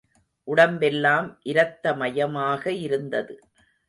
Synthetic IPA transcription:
ʔʊɽɐmbɛlːaːmʔɪɾɐt̪ːɐmɐjɐmaːɣɐɪɾɯnd̪ɐðɯ

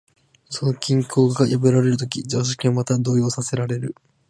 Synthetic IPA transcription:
sono̞kʲĩŋkʰo̞ːɡaɡajabɯ̟ɾaɾe̞ɾɯ̟t̪̬o̞kʲid͡ʑoːɕ̬ḁkʲiamat̪ad̪o̞ːjo̞ːsase̞ɾaɾe̞ɾɯ̟

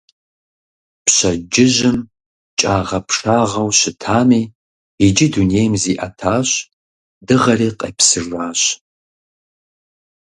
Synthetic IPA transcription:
pɕɐd͡ʒɪʑɪm | t͡ʃʼaːʁɐpʂaːʁɐwɕɪtʰaːmiː | id͡ʒɪduneːjmziːʔɐtʰaːɕ | dɨʁɐriːqʼɐ̰psɨraːɕ

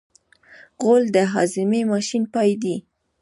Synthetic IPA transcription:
ɣold̪əɦɑzɪmemɑʃinpɑjd̪i

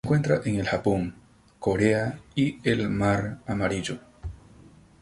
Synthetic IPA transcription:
ŋkwe̞nt̪ɾaʔeŋe̞lxapoŋ | ko̞ɾeaielmaɾamaɾiʝo

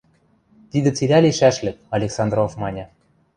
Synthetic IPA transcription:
t̪id̪ɘ̆t͡silʲæliʃæʃlʲɘ̆k̚ɑlʲeksɑnd̪ɾovmɑnʲɤ̆

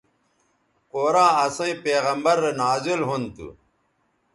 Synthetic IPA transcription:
qoːɾãːɐsẽĩpeːɣɐmbɐɾenaːzilɦunt̪ṵ

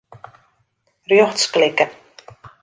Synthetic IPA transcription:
rjɔχtsklɪkə

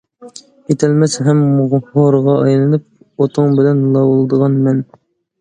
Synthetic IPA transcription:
jet̪ʰælmɛsɦæmoɾʁɑɑjlˠɑnɨp̚ | ot̪ʰoŋbɪlɛnlˠɑwolˠd̪əʁɑnmɛn

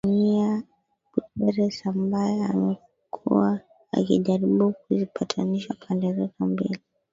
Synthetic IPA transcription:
ɲia | butɛɾɛsambajɛa̰mɛ | kʰṵwa̰ː | kḭʄaɾiɓuk̚uzipʰatʰaniʃapʰandɛɾɛkambḭli

